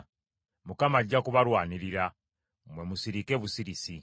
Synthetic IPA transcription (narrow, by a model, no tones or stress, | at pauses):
mukamaːɟːakuβaɾwaːniɾiɾa | mwe̞musiɾike̞ːβusiɾisi